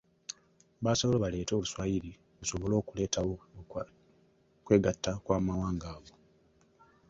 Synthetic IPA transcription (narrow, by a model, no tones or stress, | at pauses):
βasoβoloβale̞ːto̞ːluswajiɾi | βuso̞βo̞lo̞ːkule̞ːtʰawo̞ | kwe̞ːɡatːakwaːmawaːŋɡaːɡo̞